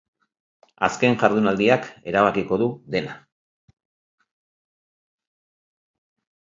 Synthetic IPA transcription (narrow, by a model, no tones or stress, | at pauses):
a̰ske̞ŋʝaɾðunald̪iake̞ɾaβ̞akiko̞ðuðe̞na